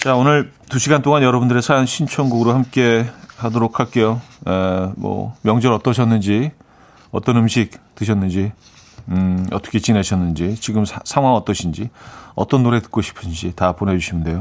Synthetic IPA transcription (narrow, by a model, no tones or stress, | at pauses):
t͡ɕaonɯɭtuɕʰiɡant͈oŋanjʌɾʌbundɯɾesʰajanɕʰint͡ɕʰʌŋɡuɡɯɾohamk͈e̞hadoɾokʰaɭk͈e̞joemwʌ̰mjʌŋd͡ʑʌɾʌt͈ʌɕʰʌnːɯnd͡ʑi | ʌt͈ʌnɯmɕʰik̚tɯɕʰʌnːɯnd͡ʑi | ʌt͈ʌkʰet͡ɕineɕʰʌnːɯnd͡ʑit͡ɕiɡɯmssʰaŋwaŋʌt͈ʌɕʰind͡ʑiʌ̰t͈ʌnːoɾe̞tɯ̥k̚k͈oɕʰi̥pʰɯnd͡ʑitapone̞d͡ʑuɕʰimnde̞jo